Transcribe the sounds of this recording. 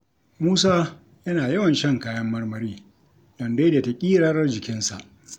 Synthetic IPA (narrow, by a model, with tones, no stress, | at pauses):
muː˦saː˦ | jɐ˦naː˨jɐ˦wɐ˨nʃɐ˦˨ŋkaː˦jɐ˦mːɐ˦rmɐ˨ɾiː˦ | d̥ɐ˨nda˦da˨ta˨kʲʼiː˦ɾaː˦ɾɐ˦rd͡ʒɪ˨kʲɪ˦nsa̰˨ʔ